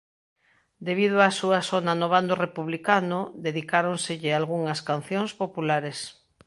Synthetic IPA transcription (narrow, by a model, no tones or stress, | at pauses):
d̪eβ̞ið̞oasuasonanoβand̪orepuβlikanoðeðikaɾonseʎealɣuŋaskan̟θjõŋspopulaɾes